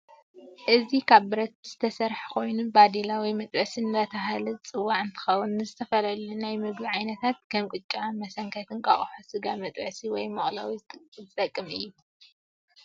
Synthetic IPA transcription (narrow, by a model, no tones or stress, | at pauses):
ʔɨzikʰaβbɨɾɐt̪̚z̥ɨt̪ʰɐsɐɾħkʰo̞jnubad̪ilawimɐt̪ʼʕsinɨbɐt̪ʰɐɦalɨt͡sʼɨwːaʕɨnt̪ʰɨ̥xɐwːunːɨzɨt̪ʰɐfɐlɐlunajmɨɡbiʕajnɐt̪ʰat̪̚kʰɐmkʼɨt͡ʃʼːanmɐsɐŋkʰɐt̪ʰɨnkʼa̰χʼħusɨɡamɐt̪ʼʕsiwɔjmɐχʼla̰wizɨt̪ʼɐkʼːɨmɨ̰jːu